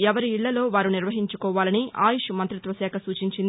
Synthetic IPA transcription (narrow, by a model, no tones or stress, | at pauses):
ɛʋɐɾiːɭːɐlo̞ːʋaːɾuniɾʋɐɦiɲt͡ʃukɔːʋaːlɐniʔa̰ːjuʃumɐnt̪ɾit̪ʋɐsɛːkʰɐsuːt͡ʃiɲt͡ʃin